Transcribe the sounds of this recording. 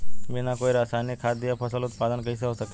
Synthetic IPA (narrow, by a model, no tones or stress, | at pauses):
ʋenakoiɾasanikʰad̪ijapʰəsəlʊt̪̚pad̪ənkəis̬əosəke